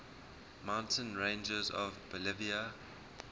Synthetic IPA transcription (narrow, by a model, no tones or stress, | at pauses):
mãʊ̃ntʰə̃nɹẽɪ̃nd͡ʒəzɔ̰vbəlɪviə